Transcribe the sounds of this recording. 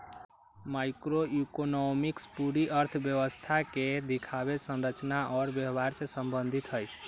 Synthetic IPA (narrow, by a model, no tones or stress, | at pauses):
maɪkɾoikonɔmikspuɾiʔəɾt̪ʰəbjəwəst̪ʰaked̪ikʰaβesə̃nɾət͡ʃnaʔɔɾbjəbaɾsẽsəmbənd̪ʱit̪ɦəjt͡ʃʰ